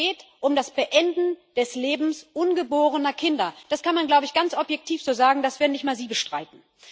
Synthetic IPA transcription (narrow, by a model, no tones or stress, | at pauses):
eːtʔʊmdasb̥əʔɛndn̩d̥ɛsleːbm̩sʔʊnɡəboːʁ̞ənɐkʰɪndɐd̥askʰanmanɡlaʊbəɪçɡ̥ant͡ssʔɔpjɛk̚tʰiːfz̥oːzaːɡŋ̩d̥asv̥eːɐdnɪçtmaːɐziːbəʃtʁ̥aɪtn̩